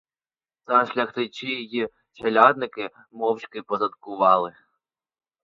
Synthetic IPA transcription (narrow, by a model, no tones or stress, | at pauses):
zɐʃlʲɐxt̪ɪt͡ʃɪjiji | t͡ʃɐlʲɑd̪nɪkɪ | mɔwt͡ʃkɪpɔzɐt̪kʊʋɑlˠɪ